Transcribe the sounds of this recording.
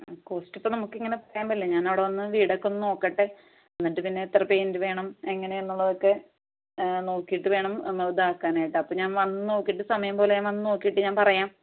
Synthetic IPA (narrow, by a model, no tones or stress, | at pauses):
ko̞ːsʈipːonɐmukːiŋːɐne̞pɐrɐjaːmbɐlːeɲaːnɐʋɽeʋɐnːɨʋiːɽɐkːonːɨno̞ːkːɐʈːɨ | ɐnːiʈːɨpinːe̞t̪rɐpeːndɨʋe̞ːɳɐmeŋːɐneenːuɭːɐðo̞kːe | no̞ːkːijiʈːɨʋe̞ːɳɐmnːɐd̪aːkːaːnaːjiʈːɨɐpːoːɲaːnʋɐnːɨno̞ːkːijiʈːɨsɐmɐjɐmpo̞ːleanʋɐnːɨno̞ːkːijiʈːɨɲaːnpɐrɐjaːm